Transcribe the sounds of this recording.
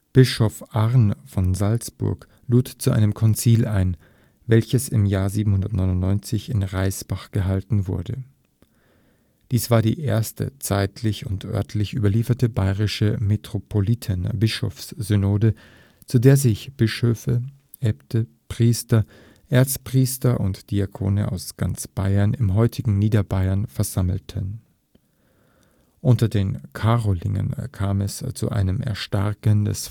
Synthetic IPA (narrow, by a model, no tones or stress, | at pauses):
b̥ɪʃɔfʔaʁnfɔnzalsb̥ʊ̰ɐk | luːtt͡suʔa̰ɪnəmkʰɔnt͡siːlʔa̰ɪn | vɛlçəsɪmjaːɐziːbm̩hʊndɐtnɔʏnʊntnɔʏnt͡sɪçɪnʁaɪsb̥aχɡ̥əɦaltn̩vʊ̰ɐdə | d̥iːsv̥aːɐdḭːʔḛːɐstə̰t͡saɪtʰlɪçʊntʔœ̰ɐtʰlɪçʔyːbɐliːfɐtəbaɪʁɪʃəmetʁ̥opʰolitʰənbɪʃo̰fsz̥ynoːdə | t͡sudeːɐzɪçb̥ɪʃøːfə | ʔɛptə | pʁ̥iːstɐ | ʔeːɐt͡spʁ̥iːstɐʔʊntd̥iakʰo̰ːnə̰ʔa̰ʊsɡ̥ant͡sb̥aɪɐnɪmɦɔʏtʰɪɡŋ̩niːdɐbaɪɐnfɛɐzaml̩tʰən | ʔʊntɐdeːnkʰaʁolɪ̰ŋə̰nkʰaːmɛst͡sṵʔa̰ɪnəmʔɛ̰ɐʃta̰ʁkəndɛ̰s